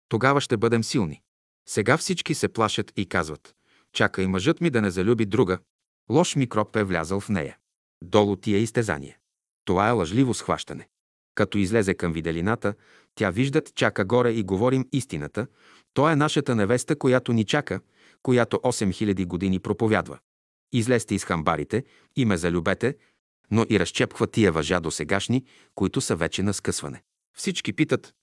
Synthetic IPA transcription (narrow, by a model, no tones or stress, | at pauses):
t̪oɡavəʃt̪ɛbɤd̪ɛmsilˠnḭ | sɛɡafsit͡ʃkisɛplˠaʃət̪ikazvɐt̪ | t͡ʃakəimɐʒɤt̪mid̪ɐnɛzɐlʲubid̪ɾuɡə | lˠɔʃmikɾɔpɛvlʲa̰zəlˠfnɛ̰jɐ̰ | d̪ɔlˠot̪iɛist̪ɛza̰nḭjɛ | t̪ovaɛlˠɐʒlivosxva̰ʃt̪ɐnɛ | kɐt̪ɔizlɛzɛkɐmvid̪ɛlinat̪ə | t̪ʲaviʒd̪ət̪t͡ʃakəɡɔɾɛiɡovɔɾimist̪inət̪ə | t̪ɔɛnaʃət̪ənɛvɛst̪əkojat̪onit͡ʃakə | kojat̪oʔɔsɛmxilʲɐd̪iɡod̪inipɾopovʲjad̪və̰ | izlɛst̪ɛisxɐmbaɾit̪ɛ | imɛzɐlʲubɛt̪ɛ | noʔiɾɐst͡ʃɛpkvət̪iɛvɐʒad̪osɛɡaʃni | koit̪ʊsɐvɛt͡ʃɛnɐskɤsvɐ̰nɛ | fsit͡ʃkipit̪ət̪